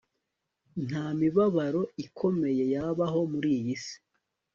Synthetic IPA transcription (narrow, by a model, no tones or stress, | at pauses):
n̥hamiβaβaɾo̞ikʰo̞me̞je̞jaβaɦo̞muɾijisi̥